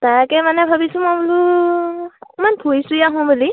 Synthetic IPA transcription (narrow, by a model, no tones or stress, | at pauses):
taɹkɛmanɛbʱabisʊ̃mɔjbulu | manbʰʱujsujaɦʊ̃buli